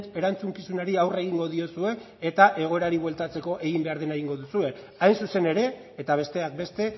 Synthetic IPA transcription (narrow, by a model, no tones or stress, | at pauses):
e̞ɾant͡suŋkisunaɾiawre̞ɣ̞iŋɡo̞ðio̞sue̞ː | t̪aʔe̞ɣ̞o̞e̞ɾaɾiβwe̞lt̪at͡se̞ko̞ʔe̞ɣimbe̞aɾðenaɣiŋɡo̞ðusue̞ | ajnsuse̞ne̞ɾe̞ː | t̪aβ̞e̞st̪e̞ak̚be̞st̪e̞